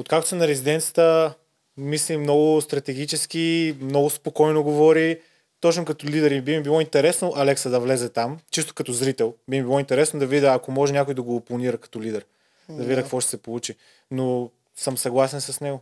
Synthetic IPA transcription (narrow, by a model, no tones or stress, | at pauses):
ot̪kak̚t̪o̥sɛnɐɾɛzid̪ɛnt̪sə̥t̪ə | mislimnɔɡʊst̪ɾɐt̪ɛɡʲit͡ʃɛsk̟imnɔɡʊspokɔjnoɡovɔɾi | t̪ɔt͡ʃnokɐt̪ɔlʲid̪ɛɾibimibilˠɔint̪ɛɾɛsnoʔalɛksəd̪ɐvlɛzɛt̪amt͡ʃist̪o̥kɐt̪ɔzɾit̪ɛlˠbimibilˠɔint̪ɛɾɛsnod̪ɐvid̪ʲəɐkomɔʒɛnʲakʊjd̪ɐɡoplˠɐniɾəkɐ̥t̪ɔlid̪ɛɾ | d̪ɐvid̪ʲəkkvɔʃt̪ɛ̥sɛpolˠut͡ʃi | no | səmsɐɡlˠasɛnsɐsnɛɡo